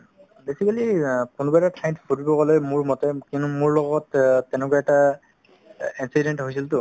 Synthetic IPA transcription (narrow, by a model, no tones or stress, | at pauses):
besikalikunubaɾatʰaj̃ntfʰoɹibɔkɔlojmuɹmɔtɛkinumuɹlɔɡɔtːɛnɛkuaɛta | insidɛntɦojs̬iltʊ